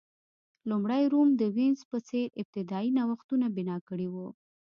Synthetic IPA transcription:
lumɽajɾumd̪əwinzpəseɾɪb̚t̪ɪd̪ɑinawaxt̪unabɪnɑkəɽiwu

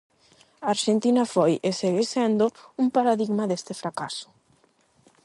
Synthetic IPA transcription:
aːɾʃent̪inɐfojeseɣesɛnd̪oumpaɾaðiɣmaðest̪ɪfɾakasʊ̥

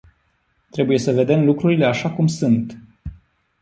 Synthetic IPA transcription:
t̪ɾe̞buje̞səve̞d̪e̞mlukɾuɾile̞aʃakumsunt̪

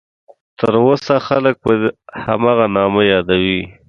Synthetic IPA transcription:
t̪əɾwosaxalək̚pəha̰mɑɣanɑməjɑd̪awi

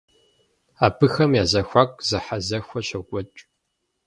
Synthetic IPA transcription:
aːpʰɨxɐmjaːzɐxʷaːkʷʼzɐħazɐxʷɔɕɐɡʷʼɔt͡ʃʼ

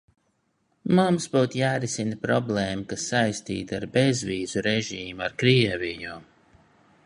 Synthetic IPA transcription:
mumsbuːt̪jaːɾisinpɾɔblˠeːmukasːajst̪ḭːt̪aɾbezviːzuɾɛʒiːmuaɾkɾiɛviɲu

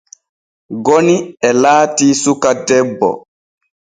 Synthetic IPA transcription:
ɡoniɛlaːtiːsukadɛbːɔ̰

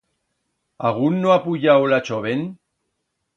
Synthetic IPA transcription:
aɣunːoapuʎawlat͡ʃoβen

